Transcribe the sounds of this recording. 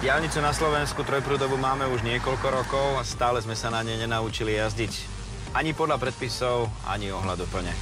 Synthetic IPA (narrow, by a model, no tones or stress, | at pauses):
ɟɪalɲit͡sunaslɔʋɛnskut̪ɾɔjpɾuːd̪ɔbumaːmɛuʒɲɪɛkɔʎkɔɾɔkɔʊast̪aːlɛzmɛsanaɲɛjɲɛnaut͡ʃilijazɟic | ʔaɲipɔd̪ʎapɾɛt̪̚pisɔʊʔa̰ɲiɔɦlad̪upl̩ɲɛ